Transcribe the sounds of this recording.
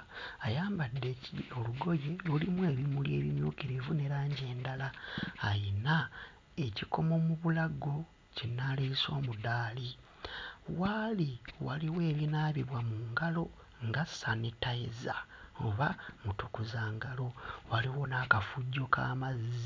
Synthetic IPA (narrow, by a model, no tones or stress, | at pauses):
ajaːmbadːecioluɡo̞je̞lulimwe̞ːβimulje̞̰ːβimjuːkiɾivune̞ɾaːɲɟe̞ːndalaːjina | e̞ciko̞mo̞muβulaɡo̞ | cinːalisoːmudaːli | waliwaliwe̞ːβinaːβiβwamuːŋɡalo̞ | ŋɡasanitaeza | o̰βamutukuzaːŋɡalo̞waliwo̞naːkafuɟːo̞kʰa̰ːmaz